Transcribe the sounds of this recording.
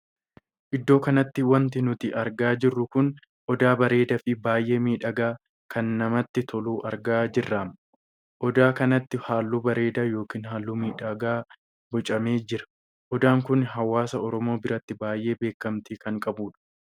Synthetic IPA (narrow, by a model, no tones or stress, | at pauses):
ʔɪd̪ːo̞ːkɐnɐt̪ːɪwɐnt̪ɪnʊt̪ɪʔɐɾɡaːd͡ʒɪrːʊkʊn | ʔɔd̪aːbɐɾe̞ːd̪ɐfɪbaːjʔe̞ːmiːᶑɐɡaː | kʰɐnːɐmɐt̪ːɪt̪ʰɔluːʔɐɾɡaːd͡ʒɪrːaːm | ʔɔd̪aːkɐnɐt̪ːɪhaːlːuːbɐɾe̞ːd̪aːjo̞ːkiːnɦaːlːuːmiːᶑɐɡaː | bɔt͡ʃʼɐme̞ːd͡ʒɪɾɐ̥ | ʔɔd̪aːŋkʊnɦɐwaːsɐɔɾɔmo̞ːbɪɾɐt̪ːɪbaːjʔe̞ːbe̞ːkːɐmt̪iːkɐŋkʼɐbuːᶑɐ̥